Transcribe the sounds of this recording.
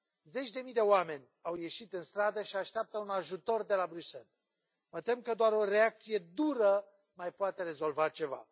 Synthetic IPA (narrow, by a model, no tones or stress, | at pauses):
ze̞t͡ʃʲd̪e̞mijd̪e̞oame̞nʲawje̞ʃit̪ɨnst̪ɾad̪əʃiaʃt̪eap̚t̪əunaʒut̪o̞rd̪e̞labɾyse̞l | mət̪e̞mkəd̪oaɾoɾeak̚t̪sije̞d̪uɾə | majpoat̪e̞ɾe̞zo̞lvat͡ʃe̞va̰